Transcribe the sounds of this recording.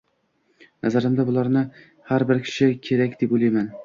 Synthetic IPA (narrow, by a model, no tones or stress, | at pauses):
nazaɾɪmd̪abʊlˠaɾnɪ | haɾbɪɾkʲʰɪ̥ʃɪkʲʰe̞ɾakʲd̪epolˠajman